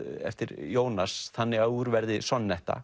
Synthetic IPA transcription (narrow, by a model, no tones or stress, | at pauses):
ɛ̰ft̪ɪɾjoːwnasθanːɪɣauɾvɛɾðɪsɔnːɛht̪a̰